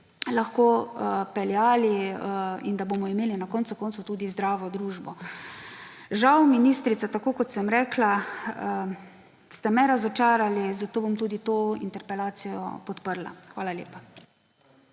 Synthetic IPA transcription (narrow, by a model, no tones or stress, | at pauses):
laxkoːpɛljaːli | ind̪abomɔimeːlinakɔntsukɔːnt̪sut̪uːd̪izd̪ɾaːʋɔd̪ɾuːʒbɔ | ʒawminist̪ɾit̪sat̪akoːkɔt̪sɛmɾɛkla | st̪ɛmɛɾazɔt͡ʃaːɾalizat̪oːbomt̪uːd̪it̪oːḭnt̪ɛɾpɛlaːt̪sijɔ̰pɔt̪pəɾla̰xʋaːlaljeːpa